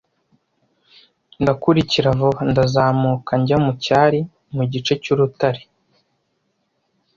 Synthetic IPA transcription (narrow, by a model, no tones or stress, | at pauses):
ndakuɾiciɾavondazaːmukaɲɟamucaːɾi | muɟit͡ʃe̞cuɾutaɾi̥